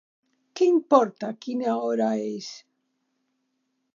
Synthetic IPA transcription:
keimpoɾt̪akinaoɾaes

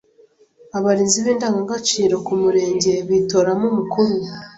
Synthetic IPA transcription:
aβaɾiːnziβeːndaːŋɡaɡat͡ʃiːɾo̞kumuɾe̞ːɲɟe̞βito̞ɾamumukuɾu

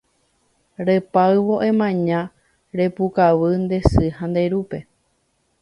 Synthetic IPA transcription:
ɾepaɨʋoʔẽ̞mãɲã | ɾe̞pukaʋɨnd̪e̞sɨhãnd̪e̞ɾupe̞

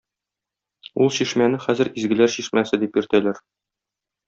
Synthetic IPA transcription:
ulˠɕiʃmænɘχæzɘ̆ɾizɡɘ̆læɾɕiʃmæsɘd̪ipjɵ̆ɾt̪ælæɾ

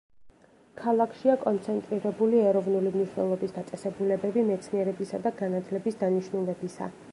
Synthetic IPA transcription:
kʰalˠakʰʃiakʼɔnt̪sʰɛnt̪ʼɾiɾɛbuliɛɾɔvnulimniʃwnɛ̰lˠɔbisd̪at̪sʼɛsɛbulɛbɛbimɛt̪sʰniɛɾɛbisad̪aɡanat̪ʰlɛbisd̪aniʃnulɛbisa̰

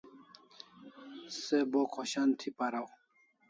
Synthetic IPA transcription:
sebokʰoɕant̪ʰipaɾaw

